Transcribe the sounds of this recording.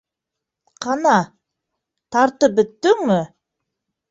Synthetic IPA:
qʰɑnɑ | t̪ʰɑɾt̪əp̚bʏt̪ːɪŋmɪ

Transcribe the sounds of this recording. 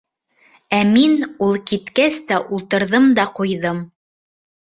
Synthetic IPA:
æminulˠkit̪kæst̪æʔulˠt̪ɤ̆ɾðɤmd̪ɑqujðɤm

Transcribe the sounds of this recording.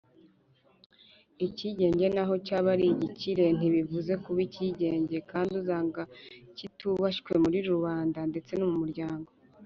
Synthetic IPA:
iciɟe̞ːɲɟe̞naɦo̞caβaɾiɟiciɾe̞n̥iβivuze̞kuβiciɟe̞ːɲɟe̞kaːndiuzaːŋɡacituβaʃkwe̞muɾiɾuβaːndande̞t͡se̞numumuɾɟaːŋɡo̞

